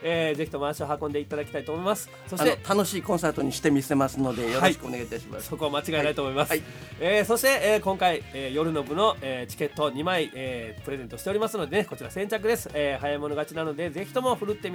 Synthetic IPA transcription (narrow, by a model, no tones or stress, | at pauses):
eːze̞çi̥t̪o̞maːɕio̞ɦakond̪e̞it̪ad̪akʲi̥t̪ait̪oːmo̞imasɨ̥ | so̞ɕint̪et̪ano̞ɕiːkõ̞ɰ̃sat̪o̞ɲ̟iɕi̥t̪e̞mʲise̞masɨno̞d̪e̞joɾii̥kɯoneɡait̪aɕima̰skoko̞amat͡ɕiɡaet̪ait̪omo̞imas | eːso̞ɕi̥t̪e̞ːkõ̞ŋkaieːjo̞ɾɯ̟no̞bɯ̟no̞et͡ɕi̥ke̞t̪ːo̞ɲ̟imaieːpɯ̟ɾezẽ̞nt̪o̞ɕi̥t̪eoɾʲimasɨno̞d̪e̞neko̞t͡ɕiɾasẽ̞ɲt͡ɕak̬ɯ̟d̪e̞sɨ̥eːɦajaimo̞no̞ɡat͡ɕinano̞d̪e̞ze̞çi̥t̪o̞mo̞ɸɯ̟ɾɯ̟t̪ːe̞mʲ